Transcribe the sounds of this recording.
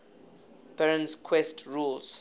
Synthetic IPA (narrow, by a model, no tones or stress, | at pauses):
pɛɹə̃nskʰwɛstʰɹulz̥